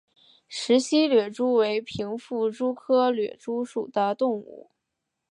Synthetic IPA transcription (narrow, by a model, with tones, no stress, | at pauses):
ʂɻ̩˧˥ɕi˥lɥɛ˨˩ʈ͡ʂu˥we˧˥ɪpʰi˧˥ŋfu˥˩ʈ͡ʂu˥kʰɤ˥lɥɛ̰˨˩ʈ͡ʂu˥ʂu˨˩d̪̥ə˦t̪ʊ˥˧ŋṵ˥˩